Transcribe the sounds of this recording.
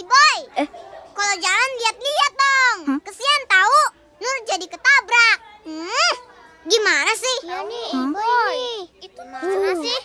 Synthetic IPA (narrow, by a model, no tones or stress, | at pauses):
dibɔj | kalad͡ʒalanliat̪̚liat̪̚dɔŋkəsiant̪au | nʊr̚d͡ʒadikət̪abɾak̚m̩ | ɡimanasɪha | it̪uanasɪh